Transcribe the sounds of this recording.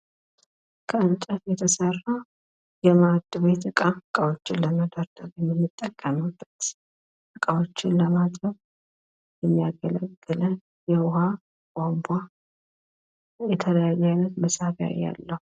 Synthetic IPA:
kʼʰəɨnt͡ʃʼəfjɛt̪ʰəsərːa | jɛmad̪ʼɨβe̞t̪ɨkʼaɨkʼawo̞t͡ʃːɪnləməd̪əɾd̪əɾjɛmːɨnːɨt̪ʼːəkʼːəmɨb̥ːət̪ | ɨkʼawo̞t͡ʃːɪnləmat̪ʼəβ | jɛmːijaɡələɡːɨlən | jɛwʊha | kʼambʷa | jɛt̪ʰələjajːanət̪məsafja̰jːa̰lːəhu

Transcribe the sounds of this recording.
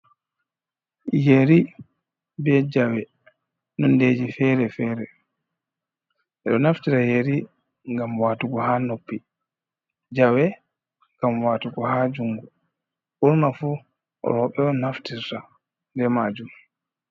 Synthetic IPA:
jeɾi | bɛd͡ʒawɛ | nɔnded͡ʒifɛɾɛfɛːɾɛ | ʔɛɗɔnaftiɾajeɾi | ŋɡamwaːtuɡɔhaːnopːi | d͡ʒawɛ | ŋɡ̥amwaːtuɡɔhaːd͡ʒuŋɡu | ʔuɾnafu | ɾɔɓɛɔnaftiɾta | ndɛmaːd͡ʒum

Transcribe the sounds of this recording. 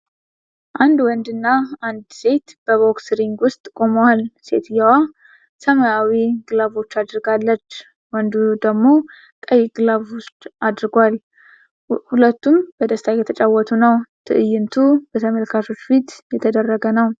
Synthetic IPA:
ʔand̪wɔnd̪ɨnːaand̪se̞t̪b̥əβo̞ksɾiŋɡwʊst̪ʼkʼoməwalse̞̰t̪jɛwa | səmajawiɡɨlaβo̞t͡ʃːad̪ɾɨɡalːət͡ʃː | wɔnd̪ud̪əɡmo̞ | kʼəjɡɨlaβwʊst͡ʃ̪ad̪ɾɨɡwal | hulət̪ːumb̥əd̪əst̪ʰajɛt̪ʰət͡ʃʼawɔt̪ʰunəwt̪ʰɨ̰ʔɨjːɪnt̪ʰubət̪ʰəməlkʰato̞t͡ʃːfit̪jɛt̪ʰəd̪ərːəɡənəw

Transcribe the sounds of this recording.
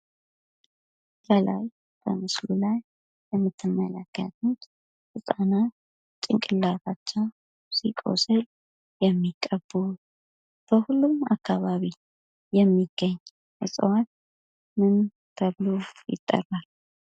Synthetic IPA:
ləla̰j | bə̰mɨslulaj | bəmːɨt̪ʰːɨmːə̰ləkːə̰t̪ut̪ | hɨsʼana | t͡ʃʼɪŋkʼɨlːatat͡ʃːɛw | sikʼo̰səl | jɛmːikʼːəbːu | b̥əhulːuma̰kʰːaβaβi | jɛmːiɡ̥ːəɲː | hɨsʼəwat̪̚ | mɨn | t̪ʰəβlojɪ̰t̪ʼːə̰rːal

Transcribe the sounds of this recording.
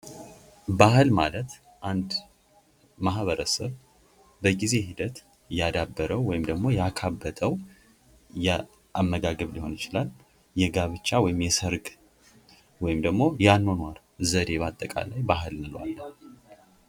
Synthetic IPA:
bahɨlmalət̪ | ʔand̪ | mahβəɾəsəβ | bəɡize̞ɦid̪ət̪ | jad̪abːəɾəwːɔjɪmd̪əɡmo̞jakʰabːət̪ʼəw | jɛ | ʔamːəɡaɡəβliho̞njɪt͡ʃɪlal | jɛɡaβɨt͡ʃːawɔjɪmjɛsəɾɡ | wɔjɪmd̪əɡmo̞janːo̞nwaɾ | zəd̪e̞βat̪ʼːəkʼa̰lajbaɦɨlnɨlwa̰lːə

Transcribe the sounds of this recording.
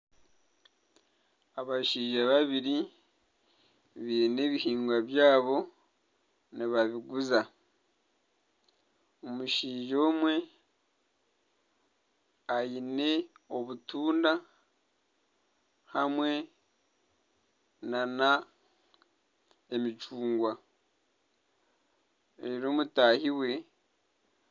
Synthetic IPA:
aβaʃiːʒaβaβiɾi | βine̞ːβihiːŋɡwaβjaːβo̞ | niβaβiɡuza | omuʃiːʒo̞ːmwe̞ | ajine̞o̞βutuːnda | hamwe̞ | nana | emit͡ʃuːŋɡwa | eɾo̞ːmutaːhiwe̞

